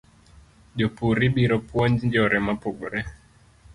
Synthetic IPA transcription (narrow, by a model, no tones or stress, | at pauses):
ʄɔpuɾiɓiɾɔpuɔnd͡ʒd͡ʒɔɾʔɛmapuɓuɾɛ